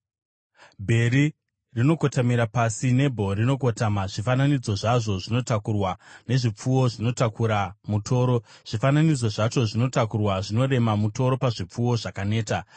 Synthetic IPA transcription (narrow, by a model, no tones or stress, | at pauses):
bʱe̞ɾi | rino̞ko̞tamiɾapasine̞bʱo̞rino̞ko̞tamaʐifananid͡zo̞ʐaʐo̞ʐino̞takurwane̞ʐip͡fuwo̞ʐino̞takuɾamutʰo̞ːɾo̞ʐ̥ifananid͡zo̞ʐat͡ʃo̞ʐino̞takurwaʐino̞ɾe̞mamuto̞ɾo̞paʐip͡fuwo̞ʐakane̞ːta